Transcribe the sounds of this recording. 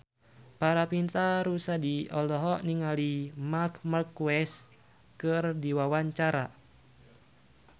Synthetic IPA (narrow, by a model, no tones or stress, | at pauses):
paɾapint̪aɾusadiɔlɔɦɔniŋalimakmarkuɛs | kɨrdiwawaɲt͡ʃaɾa